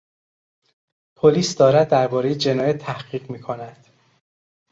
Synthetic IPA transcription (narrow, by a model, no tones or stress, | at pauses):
pʰoliːsd̪ɒːɾæd̪ːæɾbɒːɾejed͡ʒe̞nɒːjæt̪ʰːæhɢiːɢmiːkʰonæd̪̥